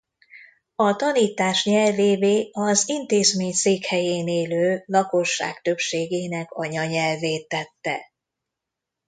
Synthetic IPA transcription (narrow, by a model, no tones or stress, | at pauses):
ɒt̪ɒniːt̪aːʃɲɛlveːveːɒzint̪eːzmeːɲseːkhɛjeːneːløːlɒko̞ʃːa̰ːkt̪ø̞pʃeːɡeːnɛkɒɲɒɲɛlveːt̪ːɛt̪ːɛ̰